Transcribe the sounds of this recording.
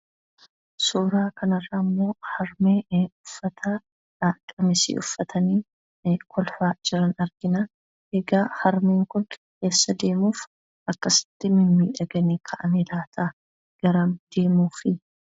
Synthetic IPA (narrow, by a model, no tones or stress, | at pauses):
suːɾaːkʰɐnɐrːɐmːo̞ːhɐɾmeːʊfːɐt̪ʰɐ | ᶑaːkʼːɐmɪsḭːʔʊ̰fːɐt̪ʰɐniː | kʰɔlfaːd͡ʒɪɾɐnɐɾɡ̥ɪnɐ | ʔeɡaːhɐɾmeːŋkʊn | ke̞ːsːɐd̪e̞ːmuːf | ʔɐkːɐsɪ̥t̪ːɪmɪmːiːᶑɐɡɐniːkʰɐʔɐmeːlaːt̪ʰɐ | ɡ̥ɐɾaːmd̪̥e̞ːmuːfɪ